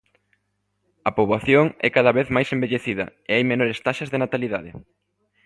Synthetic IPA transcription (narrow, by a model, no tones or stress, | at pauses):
ɐpoβaθjoŋɛkaðɐβeθmajsembeʎeθiðɐ̰eajmenoɾest̪aʃɐzðenat̪aliðaðɪ̰